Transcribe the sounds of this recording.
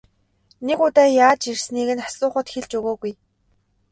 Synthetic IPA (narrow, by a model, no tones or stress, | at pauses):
nekʊt̪aːjaːt͡ɕirsniːɣɘ̆nḁsʊːχə̆t̪xeɮt͡ɕuɣoːɣuj